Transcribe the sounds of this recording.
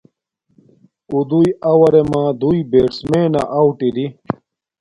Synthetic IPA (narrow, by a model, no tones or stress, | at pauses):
ud̪ujɐwɐɾemãːd̪uibeːɽsmeːna̰ʔawʈiɾi